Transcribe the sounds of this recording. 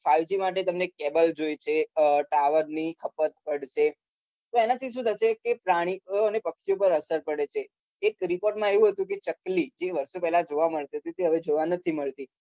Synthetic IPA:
faʋd͡ʒimaʈ̬et̪əmnekɛbəld͡ʒoit͡ʃʰeʈaʋəɾnikʰəpət̪̚pəɽʃe | t̪oenat̪ʰiʃ̬ũd̪ʱət͡ʃekepɾaɽ̃iənepəkʃiop̬əɾəsəɾpəɽet͡ʃʰeː | kɾipoɾʈmãeʋũɦət̪ũk̬et͡ʃəklid͡ʒeʋəɾʃopɛɦlad͡ʒoʋaməɭt̪iɦət̪it̪eɦəʋed͡ʒoʋanət̪ʰiməɭt̪i

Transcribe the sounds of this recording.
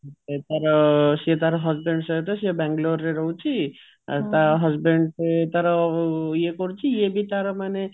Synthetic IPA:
et̪ʌɾʌset̪aɾɦʌd͡zbeɳɖsʌt̪ʌsiebaŋɡlorːeɾʌɦw̃t͡sʰi | t̪aɦʌd͡zbeɳɖet̪ʌɾʌjekoɾut͡sʰijebit̪aɾɔmane

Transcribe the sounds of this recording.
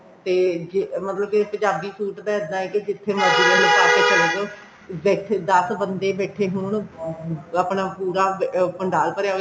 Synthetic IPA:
t̪eːd͡ʒemət̪ləb̚kɪpə̃ɲd͡ʒaːbiːsuːʈd̪ãːəd̪ãːɛːkid͡ʒɪt̪ʰːeːmaːd͡ʒiːlãːnəsaːt̪eːkəɾeːd͡ʒoː | beːt̪ʰːed̪əsbənd̪eːbɛːʈʰeːɦʊɳ | aːpɳãːpuːɾaːpəɳɖaːlpəɾjaː

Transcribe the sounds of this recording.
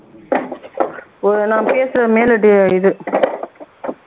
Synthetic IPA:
ɔɾɯnãːpeːsɯɾɐmeːlɐʈɪɪðɯ

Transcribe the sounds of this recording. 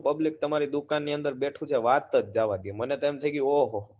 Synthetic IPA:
pəblik̚t̪əmaɾid̪ukanːiə̃nd̪əɾbeʈʰũt͡ʃʰeʋat̪ːəd͡ʒ̚d͡ʒaʋaɡimənet̪emt̪ʰəiɡĩoɦo

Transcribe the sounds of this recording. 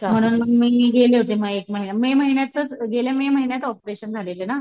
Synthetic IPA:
m̤əɽ̃uːnməmiːiːɡeleɦot̪eməɡekməɦinjameməɦinjat͡sːət͡sɡelememəɦinjat͡səɔpɾeɕənd͡zʱalelena

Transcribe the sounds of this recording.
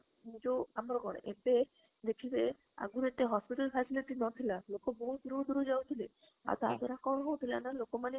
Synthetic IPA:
nid͡ʒoamɾɔɡɔɽ̰̃ʔebe | d̪ekʰibe | a̰ɡuɾet̪eɦɔspiʈalpʰasiliʈinɔt̪ʰilalokoboɦud̪uɾod̪uɾod͡ʒawt̪ʰile | a̰ɾt̪a̰d̪ɔɾakɔɦɔwt̪ʰilanalokomane

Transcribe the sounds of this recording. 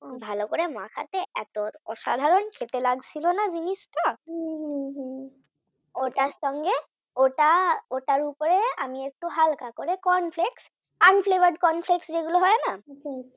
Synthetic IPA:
bʱalɔkɔɹɛmakʰa̰t̪ɛɛt̪ɔɔsa̰d̪ʱaɹɔnkʰet̪ɛlaɡsilɔnazinistɔ | oʈasɔŋɡɛ | oʈaotaɹupɔɹɛamiek̚tuɦalkakɔɹɛkɔnpʰleks | anpʰlebaɖkɔnpʰlekseɡulɔɦɔjana

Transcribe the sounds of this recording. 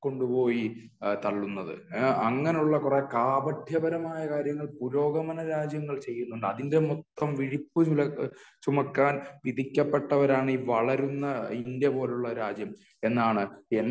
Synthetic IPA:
ko̞ɳɖupo̞ːji | t̪ɐɭːunːɐðɨ̰ɐŋːɐne̞juɭːɐkurekaːbɐd̪ʱjɐbɐɾɐmaːjɐkaːɾjɐŋːɐɭpuɾo̞ːɡɐmɐnɐɾaːd͡ʑjɐŋːɐɭt͡ɕe̞jːunːuɳɖɨɐðinde̞mot̪ːɐmʋiɻipːɨulɐt͡ɕumɐkːaːnʋid̪ʱikʲːɐpːe̞ʈːɐʋɐɾaːɳiːʋɐɭɐɾunːɐindjepo̞ːluɭːɐɾaːd͡ʑjɐm | e̞nːaːɳɨenː

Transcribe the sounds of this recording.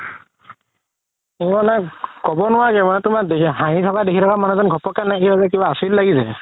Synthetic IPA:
ɡɔnakɔbɔnʊwakɛmanɛtʊmak̚deɦaɦitʰɔkadekʰitʰɔkamanuzɔnɡʱɔpɔkanakibazɛk̬ibaːsillaɡizɛ̰

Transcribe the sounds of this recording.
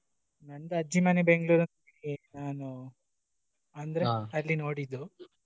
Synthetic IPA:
nɐnd̪ɐɐd͡ʒimanebeŋɡɭuːɾɐnɐl | inaːnu | ɐnd̪ɐɾeɐlːino̞ːɽid̪u

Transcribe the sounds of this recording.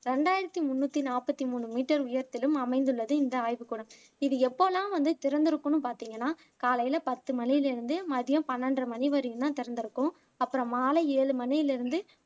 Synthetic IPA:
ɾɛɳɖaːjɪɾɐt̪ːimʊnːuːt̪ːinaːpːɐt̪ːimuːɳɯmiːʈːɐɾʊjɐɾt̪ːɪlɯmɐmɐɪnd̪ɯɭːɐðɯɪnd̪ɐaːjʋɯkːuːɽɐm | ɪðɯɛpːoːlãːʋɐnd̪ɯt̪ɪɾɐnd̪ɪɾɯkːɯnːɯpaːɾt̪iːŋɡɐnːaː | kaːlɐjɪlɐpɐt̪ːɯmɐnɪjɪlɪɾɯnd̪ɯmɐðɪjɐ̃mpɐnːɐndrɐmɐniʋɐɾɯjɯt̪ãːt̪ɪɾɐnd̪ɪɾɯkːʊ̃ | ɐpːɯɾɐ̃maːlɐeːɻɯmɐnɪjɪlɪɾɯnd̪ɯ

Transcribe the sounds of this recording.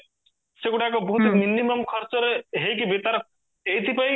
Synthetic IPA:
seɡuʈakɔbɦut̪iminiməmkʰʌɾt͡ʃəɾeɦejkibet̪aɾ | ejt̪ʰipaj

